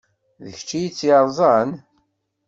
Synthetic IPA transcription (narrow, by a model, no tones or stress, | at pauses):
ðə̰çt͡ʃːijit͡sːiɾˤzˤɑn